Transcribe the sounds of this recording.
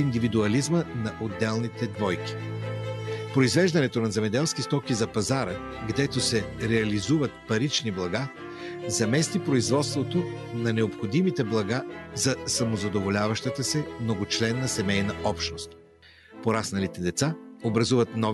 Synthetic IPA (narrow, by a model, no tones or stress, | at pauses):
ind̪ivid̪uɐlizmənɐʔod̪ːɛlˠnit̪ɛd̪vɔjkʲi̥ | pɾoizvɛʒd̪ɐnɛt̪onɐzɛmɛd̪ɛlˠskist̪ɔkizɐpɐzaɾə | ɡd̪ɛt̪osɛɾɛɐlizuvɐt̪̚pɐɾit͡ʃniblˠɐɡa | zɐmɛst̪ipɾoizvɔt̪st̪vot̪o | nɐnɛopxod̪imit̪ɛblˠɐɡazɐsɐmozɐd̪ovolʲavɐʃt̪ət̪əsɛmnoɡʊt͡ʃlɛnːɐsɛmɛjnɐɔpʃnost̪ | poɾasnɐlit̪ɛd̪ɛt̪saobɾɐzuvɐt̪nɔ